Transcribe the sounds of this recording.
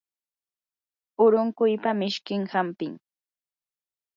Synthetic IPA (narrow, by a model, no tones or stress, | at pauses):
ʊɾʊŋkʊjpamɪʃkɪŋhampɪŋ